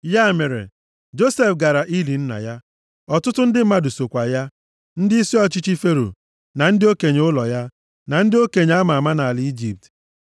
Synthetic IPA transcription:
ja˦˨me˨ɾḛ˨ | d͡ʒo˦se˨fɡa˨ɾa˨ʔi˦li˨n̩˦na̰˨ja˦ | ɔ˨tʊ˦tʊ˦n̩˦dɪ˦m̩˦ma˦du˨so˨kʷa˨ja˦ | n̩˦dɪ˦i˦si˦ɔ˦t͡ʃi˦t͡ʃi˦fe˦ɾo̰˨ | na˨n̩˦dɪ˦o˦ke˨ɲe˦ʊ˦lɔ˨ja˦ | na˨n̩˦dɪ˦o˦ke˨ɲ˨a˦ma˨a˨ma˦na˨a˨li˦d͡ʒi˨p̚t

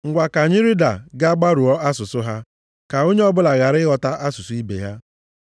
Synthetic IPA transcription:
ŋ̩˨ɡʷa˨ka˨ɲɪ˦ɾi˦da̰˨ɡa˦ɡ͡ba˦ɾu˨ɔ˦a˦sʊ˨sʊ˦ɦa˦ | ka˨o˦ɲe˦ɔ˦bʊ˦la˨ɣa˨ɾɪ˦ɣɔ˨ta˦ʔa˦sʊ˨sʊ˦i˦bḛ˨ja˦

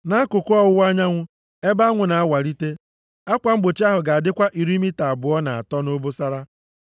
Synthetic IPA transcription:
na˦kʊ˨kʊ˦ɔ˦wa˦ɲa˦ŋʷʊ˦ | e˦ba˦ŋʷʊ˨na˨a˦wa˨ɾi˦te˦ | a˦kʷa˨ŋ͡m̩˦ɡ͡bo˨t͡ʃa˦ɦʊ˨ɡa˨a˨dɪ˦kʷa˦ʔi˨ɾi˦mi˦ta˨a˨bʊ˨ɔ˦na˨a̰˨tɔ˦no˦bo˦sa˦ɾa˦

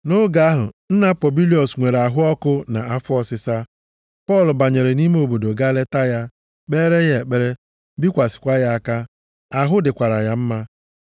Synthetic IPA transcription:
no˦ɡa˦ɦʊ˨n̩˦na˦pɔ˨bi˦li˦ɔ˨sŋʷe˨ɾa˨ɦʊ˦ɔ˦kʊ˦na˨a˦fɔ˦sɪ˨sa˦ | pɔ˦˨lʊ˨ba˨ɲe˨ɾe˨ni˦me˦o˨bo˨do˨ɡa˦le˦ta˦ja˦ | k͡peː˦ɾe˦ɣe˨k͡pe˦ɾe˦ | bi˦kʷa˨sɪ̥˨kʷa˦ja˦a˨ka˦ | a˨ɦʊ˦dɪ˨kʷa˨ɾa˨ja˦m̩˦ma˦

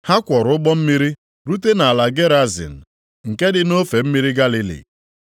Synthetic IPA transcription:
ha˦kʷɔ˨ɾʊ˦ɡ͡bɔ˦m̩˦mi˦ɾi˦ | ɾu˦t̬e˦na˨a˨la˨ɡe˦ɾa˦zɪ̰˨n̩˨ | ŋ̩˨ke˦dɪ˦no˦fe˨m̩˦mi˦ɾi˦ɡa˦li˨lḭ˨

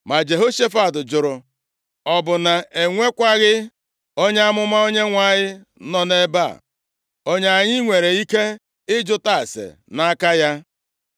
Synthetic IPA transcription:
ma˨d͡ʒe˨ɦo˦ʃe˦fa˦˨dʊ˨d͡ʒʊ˨ɾʊ˨ | ɔ˨bʊ˨na˨e˨ŋʷe˦kʷa˦ɣɪ˦ | o˦ɲe˦a˦mʊ˦ma˦o˦ɲe˦ŋʷa˦˨ɲɪ˦ | nɔ˦ne˦ba̰˦˨ | o˦ɲe˦a˨ɲɪ˦ŋʷe˨ɾe˨i˦ke˦ | ɪ˦d͡ʒʊ˦ta˦˨sḛ˨na˦ka˦ja˦

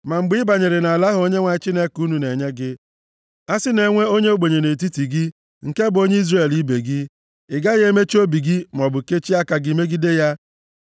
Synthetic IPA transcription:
ma˨ŋ͡m̩˨ɡ͡bɪ˦ba˨ɲe˨ɾe˨na˨la˦ɦʊ˦o˦ɲe˦ŋʷa˨ɪ˦t͡ʃi˦ne˦ku˦nu˨ne˨ɲe˦ɡɪ˦ | a˦sɪ˦ne˨ŋʷe˦o˦ɲe˦o˦ɡ͡be˨ɲe˨ne˨t̬i˦ti˨ɡɪ˦ | ŋ̩˨ke˦bʊ˨o˦ɲe˦i˦zre˦˨li˦be˨ɡɪ˦ | ɪ˨ɡa˦ɣe˦me˦t͡ʃi˦o˦bi˨ɡɪ˦m˨ɔ˨bʊ˨ke˦t͡ʃi˦a˦ka˨ɡi˨me˦ɡi˦de˦ja˦

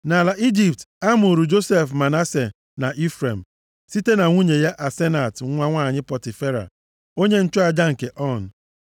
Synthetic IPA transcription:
na˨la˨ʔi˦d͡ʒi˨p̚ta˦m˦ʊ˨ɾu˨d͡ʒo˦se˦fma˨na˦se˨ | na˨ʔi˦fɾe˨m̩˨ | si˦te˦na˨ŋʷu˦ɲe˨ja˦ʔa˨se˦na˨tŋʷa˦ŋʷaː˦˨ɲɪ˦pɔ˨tɪ˨fe˦ɾa̰˨ | o˦ɲe˦n̩˦t͡ʃʊ˦a˨d͡ʒa˦ŋ̩˨ke˨ʔɔ˦˨n̩˨

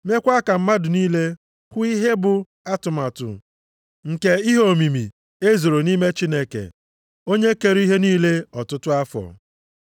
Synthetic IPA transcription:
me˦kʷa˦ka˨m̩˦ma˦dʊ˨niː˦le˦ | kʷʊ˦i˦ɦe˦bʊ˨ | a˦tʊ˨ma˨tʊ̰˨ | ŋ̩˨ke˦i˦ɦo˦˨mi˨mi˨ | e˦zo˨ɾo˨niː˦me˦t͡ʃi˦ne˦kḛ˨ | o˦ɲe˦ke˨ɾi˦ɦe˦niː˦le˦ɔ˨tʊ˦tʊ˦a˦fɔ̰˨

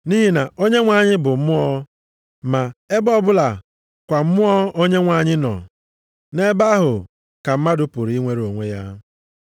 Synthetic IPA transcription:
ni˦ɦi˦na˨o˦ɲe˦ŋʷa˨ɲɪ˦bʊ˨m̩˦mʊ˦ɔ˦ | ma˨e˦bɔ˦bʊ˦la˨ | kʷa˨m̩˦mʊ˦ɔ˦o˦ɲe˦ŋʷa˨ɲɪ˦nɔ̰˨ | ne˦ba˦ɦʊ˨ | ka˨m̩˦ma˦dʊ˦pʊ˨ɾi˦ŋʷe˦ɾo˨ŋʷe˦ja˦

